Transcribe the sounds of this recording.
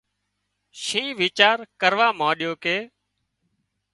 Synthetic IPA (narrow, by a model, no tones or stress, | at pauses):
ʃĩːʋiːt͡ʃaːɾkəɾʋaːmãːɗɪjoːkeː